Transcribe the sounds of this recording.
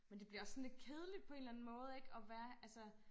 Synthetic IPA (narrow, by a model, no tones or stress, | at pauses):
mend̥e̝b̥liɐɒ̽sːɒ̽nle̝d̥̚kʰe̝ð̞ˠəlid̥̚pʰɒe̝ːnlæn̩mɔ̽ːð̞̩ˠe̝ɡ̥ɒ̽ʋæːɐʔælsə